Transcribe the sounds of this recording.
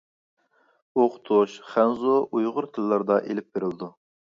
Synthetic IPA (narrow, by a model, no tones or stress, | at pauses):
oqt̪ʰoʃχænzoʔujʁʊɾt̪ʰɪlːɑɾd̪ɑʔelɪp̚beɾɪld̪u